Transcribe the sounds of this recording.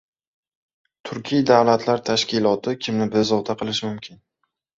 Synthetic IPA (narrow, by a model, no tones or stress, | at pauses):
t̪ʰʊɾkʲʰijd̪avlat̪ʰlaɾt̪ʰaʃkʲɪlˠɒt̪ʰɪkʲʰɪmnɪbɪzɒd̪ʰaqʰɨlˠɪʃmʊmkʲʰɪn